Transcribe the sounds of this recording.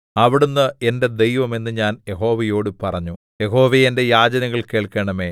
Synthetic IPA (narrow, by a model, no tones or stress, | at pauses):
ɐʋiɽunːɨe̞nde̞d̪e̞jʋɐme̞nːɨɲaːnje̞ɦo̞ːʋɐjo̞ːɽɨpɐrɐɲːu | jeɦo̞ːʋejende̞jaːd͡ʑɐnɐɣɐɭke̞ːɭkeɳɐme̞ː